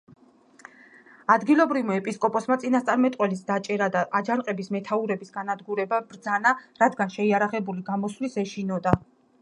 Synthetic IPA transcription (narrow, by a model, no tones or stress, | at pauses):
ad̪ɡilˠɔbɾivmaɛpʼiskʼɔpʼɔsmat̪sʼinast̪sʼaɾmɛt̪ʼqʼwɛlisd̪at͡ʃʼɛɾad̪aʔad͡ʒanqʼɛbismɛt̪ʰauɾɛbisɡanad̪ɡuɾɛbabɾd̪zanaɾad̪ɡanʃɛiaɾaʁɛbuliɡamɔslisɛʃinɔd̪a